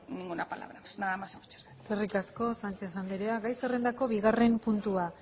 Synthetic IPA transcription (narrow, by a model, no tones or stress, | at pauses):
niŋɡunapala̰βɾapsnaðamaseut͡ʃe̥ɾekerikasko̞sant͡ʃe̞θand̪eɾeaɡajserend̪ako̞βiɣare̞mpunt̪ua